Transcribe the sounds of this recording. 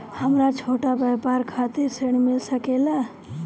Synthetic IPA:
həmɾat͡ʃʰoːʈabəpaɾkʰat̪ɪɾseɳ̃mɪlsəkela

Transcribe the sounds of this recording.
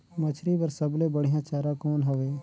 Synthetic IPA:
mɐt͡ʃʰɾipɐɾsɐblebɐɽ̤ijãt͡ʃaːɾãkɔːnɦɐʋeː

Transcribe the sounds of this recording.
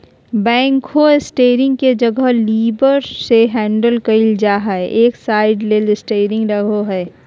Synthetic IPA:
bɛ̃ːŋkhoɪsʈeːɾɪ̃ŋɡ̚ked͡ʒɐɡəɦliːbəɾseɦɛ̃ːɳɖəlkɐɪld͡ʒaːɦaeʔeːksaːɪɖleːlɪsʈeːɾɪ̃ŋɡɾɐɡʱoɦɛː

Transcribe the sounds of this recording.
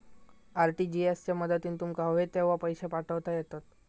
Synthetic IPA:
aɾʈiːd͡ʑiest͡ɕjaməd̪ət̪iːnt̪umkaʋet̪eʋ̤apəjɕepaʈʰəʋt̪ajɛt̪at̪

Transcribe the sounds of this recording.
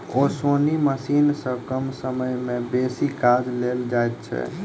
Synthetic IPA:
oːsoːniməsiːnsə̃kəmsəməjmẽbeːsikaːd͡ʒleːld͡ʒaːɛt̪̚t͡ʃʰɛ̰

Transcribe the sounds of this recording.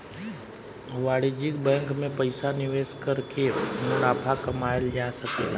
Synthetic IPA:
ʋaːɽed͡ʒɪkbɛ̃ːŋkmẽpəɪsanɪʋeːskəɾkemʊɽaːpʰakɐmaːeld͡ʒasəkela̰

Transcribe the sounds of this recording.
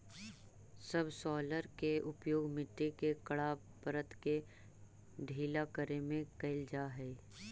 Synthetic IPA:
səbsɔːləɾkeʊpjoːɡmɪʈːekekəɽa | pəɾət̪ke | ɖʱiːlakəɾemẽkɐɪld͡ʒaːɦɛː

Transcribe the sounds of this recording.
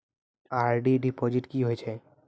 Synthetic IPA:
aɾɖiɖipɔd͡ʑiʈkiɦojt͡ʃʰe

